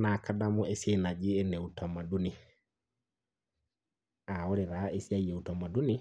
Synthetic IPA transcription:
na˨kadamuɛ˦se˦na˨d͡ʒi˦ɛnɛ˨uta˨ma˨du˦ni˨ | a˨o˦ɾeɾae˦si˦a˦iɛ˨utama˨du˦ni

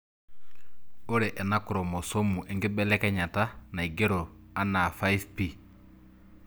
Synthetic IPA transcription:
o˦ɾe˨ʔɛ˨na˦ku˨ɾo˨mo˨so˦mːu˨ʔe˨ŋɡi˦bɛ˦lɛ˦kɛ˦ɲa˨ta˦na˨i˨ɡe˦ɾo˨ | a˦na˨fa˦jfpi˦

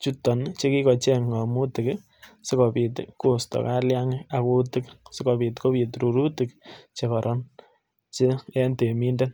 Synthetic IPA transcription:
t͡ʃu˦tɔ˨nt͡ʃe˦ki˦kɔ˨t͡ʃɛ˦ŋɡa˨mu˦tɪ˨k | sɪ˦kɔ˨pi˨tko˨stɔ̰˨ka˦lja˦ŋɪ˦a˨ko˦tɪ˦ksɪ˦kɔ˨pi˨tko˦pi˨tɾu˨ɾu˦tɪ˨kt͡ʃe˨kɔ˨ɾʔɔ˦n | t͡ʃe˦ɛ˦nte˨mi˦nde˦n

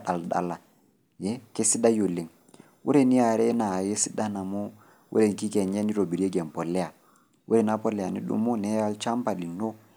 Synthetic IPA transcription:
ɗa˨lɗa̰˨lːa˨ | jɛ˦ke˦si˦da˦jo˨lːe˨ŋ | wʔṵ˦ɾe˦˨ni˦a˨ɾɛ˦na˨je˦si˦da˦na˨mo˦ | wʔṵ˦ɾe˨ŋki˦kɛ˨ɲɛ˦ni˦ɾo˨bi˨ɾi˦e˦ɡɛ˨mpɔ˨lːɛ˦ja˨ | wʔu˦ɾe˨na˦pɔ˦lːɛ˨ja˨nḭ˦ɗṵ˨˦mɔ˦nɛ˦ja˦lt͡ʃa˦mpa˨li˨no˦

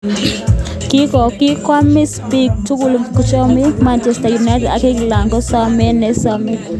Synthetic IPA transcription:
kɪ˦kɔ˨kɪ˦kwa˦mi˦spi˦k̚tu˦ku˨lkɔ˦t͡ʃɔ˦mi˦ma˦nt͡ʃɛ˨sta˨ju˨na˦ɪ˦tɛ˨da˨ke˦kla˨ŋɡɔ˦sa˦mɛ˦nɛ˦sa˦mi˦

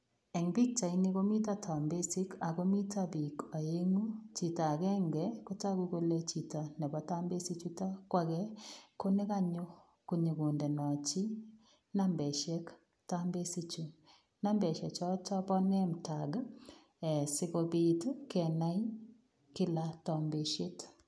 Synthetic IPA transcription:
ɛ˨ŋbi˦k̚t͡ʃa˨i˦ne˦ɣo˦mi˦ta˦tʰa˨mbe˦si˦ka˨ɣo˦mi˦tʰa˦bi˨ka˨e˦ŋo˦t͡ʃi˨ta˨ɣɛ˦ŋɡɛ˨ko˦ta˦ɣu˦ɣo˦lɛ˦t͡ʃi˨ta˨nɛ˨βɔ˦ta˦mbe˦si˦t͡ʃu˦ta˦kwa˦ɣɛ˦ko˦ne˦ɣa˦ɲo˦ | ko˨ɲe˨ɣo˨ndɛ˨nɔ˨t͡ʃi˦ | na˦mbɛ˨ʃɛ˦k | ta˦mbe˦si˦t͡ʃu˨ | na˦mbɛ˨ʃɛ˨t͡ʃɔ˦tɔ˦bɔ˦nɛ˦m̩˨ta˨ɡ | ɛ˨sɪ˦ɣo˨bi˦tkɛ˨na˦i˦ | kɪ˦la˦tɔ˨mbe˨ʃe˦t

